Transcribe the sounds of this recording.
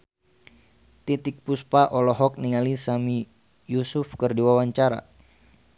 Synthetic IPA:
t̪it̪ik̚puspaʔɔlɔɦɔk̚niŋalisami | jusʊfkərdiwawaɲt͡ʃaɾa̰

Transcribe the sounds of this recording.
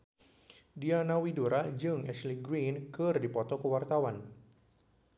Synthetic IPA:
dianawiduɾad͡ʒɨŋɛsliɡɾinkɨrdipɔt̪ɔkəwart̪awan

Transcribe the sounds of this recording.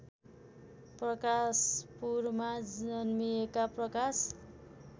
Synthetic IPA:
prʌkaspurmad͡zʌnmijekaprʌkas

